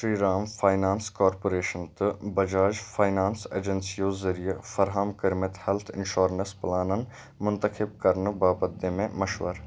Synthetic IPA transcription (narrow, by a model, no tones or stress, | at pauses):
ʃɾiːɾaːmfʰaːɪnaːnskɔːɾpoːɾeːʃənt̪ɨbɐd͡ʒaːd͡ʒfʰaːjnaːnsḛːd͡ʒənsijozɐɾijefɐɾɦamkɐɾmɪt̪hɛlt̪ʰɪ̰̃nʃoːɾnsplaːnən | mʊnt̪əxɪb̚kɐɾnbaːbəd̪ːẽmẽmɐʃʋə̰ɾ